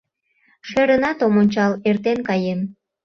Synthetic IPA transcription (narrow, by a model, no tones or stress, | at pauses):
ʃeɾənɑt̪omonʲt͡ɕɑlert̪enkɑjem